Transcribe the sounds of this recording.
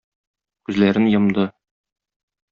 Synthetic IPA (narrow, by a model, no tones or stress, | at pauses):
kʉzlæɾɘnjɤ̆md̪ɤ